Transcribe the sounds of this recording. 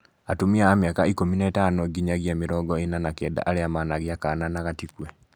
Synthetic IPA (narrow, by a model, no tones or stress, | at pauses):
atumiaamjakaikominaetanɔɡiɲaɣjameɾɔɡɔenanakɛːda̰ʔaɾeamanaɣiakaːnanaɣatikwɛ